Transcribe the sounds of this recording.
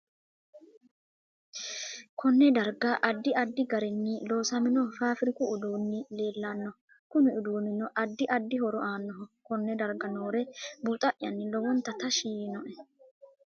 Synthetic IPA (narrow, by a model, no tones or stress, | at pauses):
kʰɔnːɛd̪ɐɾɡɐʔɐd̪ːɪʔɐd̪ːɪɡɐɾɛnːɪlo̞ːsɐmɪnɔfaːfɪɾɪkʊʊd̪uːnːɪle̞ːlːanːɔ | kʊnɪʊd̪uːnːɪnɔʔɐd̪ːɪʔɐd̪ːɪhɔɾɔʔaːnːɔɦɔkɔnːɛd̪ɐɾɡɐnoːɾɛbut̪ʼɐʔjɐnːɪlɔwɔnt̪ːɐt̪ɐʃiːnɔʔɛ